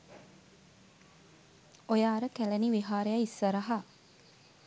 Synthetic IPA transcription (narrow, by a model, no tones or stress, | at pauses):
ojaːɾəkælæniʋiɦaːɾejaisːɐɾɐɦa